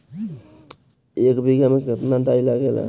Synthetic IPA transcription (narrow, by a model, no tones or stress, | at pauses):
ekbiɡjameket̪nadajlaɡela̰